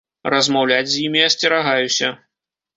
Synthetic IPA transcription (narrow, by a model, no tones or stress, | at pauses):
rɐzmawlʲad͡zʲzʲjimʲijasʲt͡sʲɛɾaɣajusʲɐ